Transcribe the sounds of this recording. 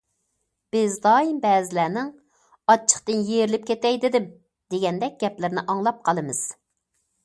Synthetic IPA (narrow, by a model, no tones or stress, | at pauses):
b̥ɪzd̪ɑːjimbɛːzɪlæːnɪŋ | ɑt͡ʃʰːə̥χqt̪ɨnjeɾlɪp̚kʲʰet̪ɛjd̪ɪd̪ɪm | d̪eɡʲɛnd̪ɛk̚ʲɡ̥ʲɛplɪɾnɪʔɑŋlˠɑp̚qʰɑlˠɨmɨz̥